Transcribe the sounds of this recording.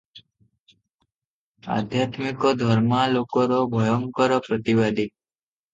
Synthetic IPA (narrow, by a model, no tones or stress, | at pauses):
a̰d̪ʱjat̪mikod̪ʱɔɾmalokoɾobʱɔjɔŋkɔɾɔpɾət̪iʋad̪ʱi